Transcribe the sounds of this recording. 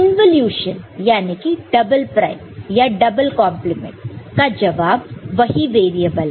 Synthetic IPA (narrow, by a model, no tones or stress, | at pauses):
ɪ̃nʋəljuːʃənjaːnekiɖɐbəlpɾaɪmjaɖɐbəlkɔ̃ːmplɪmḛ̃ɳʈkad͡ʒɐʋaːbʋɐɦiʋeːɾiəbəl